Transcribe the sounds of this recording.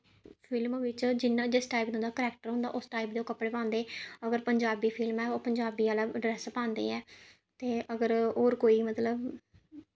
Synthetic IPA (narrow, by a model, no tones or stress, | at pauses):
pʰɪlmʋɪt͡ʃd͡ʒɪnːãːd͡ʒɪsʈaːip̚d̪õːnd̪aːkəɾɛːk̚ʈəɾɦʊ̃nd̪a̰ːʔʊsʈaːipd̪eoːkəpɽeːpãːnd̪eːəɡəɾpəɲd͡ʒaːbiːpʰɪlmɛːoːpəɲd͡ʒaːbiːaːlaːɖɾɛːspãːnd̪ḛːɛː | t̪eːəɡəɾoːɾkoːiːmət̪ləb